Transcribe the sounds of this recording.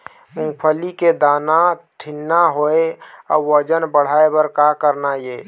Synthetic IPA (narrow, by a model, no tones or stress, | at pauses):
mʊŋɡpʰəliked̪aːnaʈʰɪnːaɦoeɔ̰ːwəd͡ʒənbəɽ̤aːebəɾkakəɾnaje